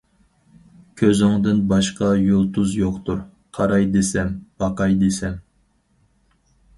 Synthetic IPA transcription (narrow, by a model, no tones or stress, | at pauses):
kʲʰøzɪŋd̪ɪnbɑʃqɑjolˠt̪ʰuzjoqt̪uɾ | qʰɑɾɑjd̪esɛmb̥ɑqɑjd̪esɛm